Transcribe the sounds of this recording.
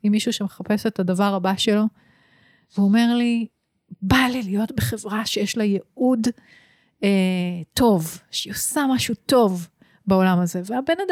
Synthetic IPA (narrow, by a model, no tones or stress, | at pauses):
imːiʃuʃemeχape̞se̞tadɐvaʁabaʃe̞lo̞ | veuome̞ʁli | balilijo̞tbeχevʁaʃejeʃlajeud | eto̞vʃeosamaʃuto̞v | beo̞lamɐze̞veabe̞nad